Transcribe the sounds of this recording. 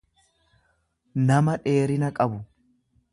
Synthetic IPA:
nɐmɐᶑe̞ːɾɪnɐkʼɐbʊ

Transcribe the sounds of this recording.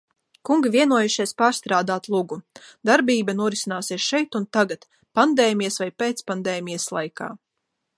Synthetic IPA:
kuŋɡivʲiɛnuɔjuʃiɛspaːɾst̪ɾaːd̪aːt̪lˠuɡud̪aɾbiːbanuɔɾisinaːsieɛsʃɛjt̪unt̪aɡat̪ | pand̪eːmʲijasvajpeːt̪spand̪eːmʲijaslˠa̰jka̰ː

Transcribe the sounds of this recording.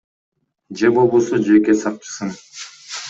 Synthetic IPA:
d͡ʒebobusud͡ʒekesɑq̚t͡ʃɯ̥sɯn

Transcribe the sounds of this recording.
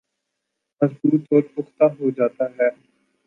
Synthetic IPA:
mɐzbuːt̪oːɾpʊxt̪aɦod͡ʒaːt̪aɦɛː

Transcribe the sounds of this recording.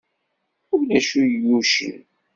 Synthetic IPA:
ʊlæʃujəjuʃə̰n

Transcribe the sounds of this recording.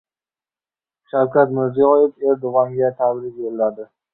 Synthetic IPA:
ʃawkʲat̪mɪɾzijɒjefe̞ɾd̪ʊʁɒŋɡʲat̪ʰabɾɪk̚ʲjollad̪ɪ

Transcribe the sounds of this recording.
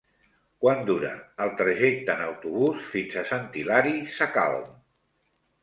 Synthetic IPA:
kwand̪uɾə̰ːlˠt̪ɾəʒek̚t̪əːnəwt̪uβ̞usfinzəsənt̪ilaɾisəka̰lˠm

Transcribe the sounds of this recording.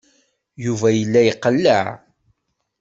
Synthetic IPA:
juvæjəlːæjəqːəlːəʕ

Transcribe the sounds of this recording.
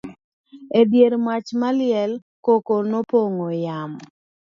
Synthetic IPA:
edjeɾmat͡ʃmalɪɛl | kokonopoŋojam

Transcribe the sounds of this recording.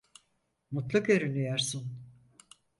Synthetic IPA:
mut̪lˠukøɾynyjaɾsun

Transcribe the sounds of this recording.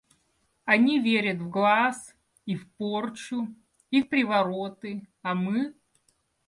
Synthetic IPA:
ɐnʲivʲeɾʲət̪vɡlˠas | ifport͡ɕʊ | ifpɾʲɪvɐɾot̪ɨɐmɨ

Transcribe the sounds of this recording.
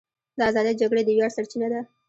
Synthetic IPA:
d̪əazɑd̪ijd͡ʒaɡɽed̪əwjɑɽsaɽt͡ʃinad̪a

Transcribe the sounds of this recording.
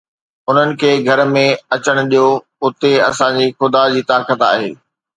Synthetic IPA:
ʊn̤ənɪ̆kʰeːɡʱɐɾmẽɐt͡ɕəɽ̃ʊ̆ɗijo | ʊt̪eɐ̰sãd͡ʑiːxʊd̪ad͡ʑiːt̪aːkət̪a̰ːɦḛː

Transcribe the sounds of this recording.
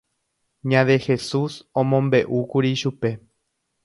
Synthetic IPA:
ɲãðexe̞susõmõmbe̞ʔukuɾiʃupe̞

